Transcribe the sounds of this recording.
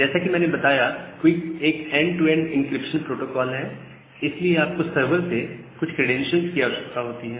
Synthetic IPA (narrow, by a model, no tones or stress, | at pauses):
d͡ʒɛːsakimɛ̃ːnebɐt̪aːjakoikeːkɛ̃ːɳɖʈuɛ̃ːɳɖɪ̃nkɾɪpʃə̃npɾoːʈoːkɔːlɦɛː | ɪslieaːp̚kosɐɾʋəɾse | kʊt͡ʃʰkɾeɖɛ̃ːnʃə̃nzkijaʋʃɐkt̪aɦoːt̪iɦɛː